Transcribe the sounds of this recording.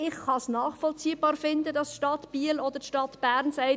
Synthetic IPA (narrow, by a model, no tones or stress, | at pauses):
ɪχχɑsnɑːχfɔlt͡siːb̥ɑːɾfɪnd̪əd̥ɑsʃtɑtb̥iəlɔd̪əɾtʃtɑtb̥æɾnsɛɪ